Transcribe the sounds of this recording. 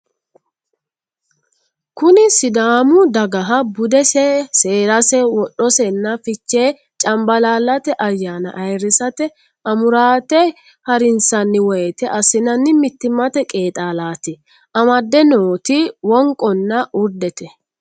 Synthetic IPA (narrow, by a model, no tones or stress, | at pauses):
kʊnɪsɪd̪aːmʊd̪ɐɡɐɦɐbʊd̪ɛsɛseːɾɐsɛwɔɗːɔsɛnːɐfɪt͡ʃːeː | t͡ʃʼɐmbɐlaːlːɐt̪ɛʔɐjːaːnɐ̰ʔɐjɾɪsɐt̪ɛ | ʔɐmʊɾaːt̪ɛ | hɐɾɪnsɐnːɪwɔjɛt̪ɛʔɐsɪnɐnːɪmɪt̪ːɪmːɐt̪ɛkʼe̞ːt̪ʼaːlaːt̪ɪ | ʔɐmɐd̪ːɛnoːt̪ɪwɔŋkʼɔnːɐʔʊɾd̪ɛt̪ɛ